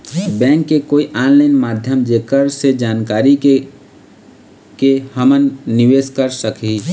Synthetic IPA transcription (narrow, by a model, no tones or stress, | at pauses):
bɛ̃ːŋkːekoːiʔaːnlaɪnmaːd̪ʱjəmd͡ʒeːkəɾsed͡ʒaːnkaːɾi | kehəmənːɪʋeːskəɾsəki